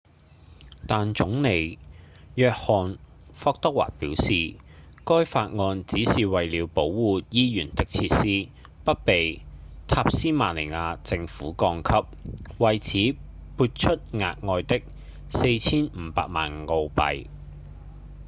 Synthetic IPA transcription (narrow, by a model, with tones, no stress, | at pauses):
t̪aː˨nt͡ʃʊ˨˥ŋne˨jjœː˧k̚hɔː˨˩n | fɔː˧k̚t̪ɐ˥k̚wa̰ː˨t̚piː˨˥wsiː˨ | kɔː˥jfaː˧t̚ŋɔː˧nt͡siː˨˥siː˨wɐ˨jliː˨˥wpo˨˥wːuː˨jiː˥jyː˨˩nt̪ɪ˥k̚t͡sʰiː˧t̚siː˥ | pɐ˥t̚pe˨jt̪ʰaː˧p̚siː˥maː˨˩le˨˩ŋaː˧t͡sɪ˧ŋfuː˨˥kɔː˧ŋkʰɐ˥p̚wɐ˨jt͡sʰiː˨˥ | pʰuː˧t̚t͡ʃʰɵ˥t̚ŋa̰ː˧t̚ŋɔː˧jt̪ɪ˥k̚ | se˧jt͡sʰiː˥nm̩ː˨˧pa̰ː˧k̚ma̰ː˨nŋo˧wpɐ̰˨j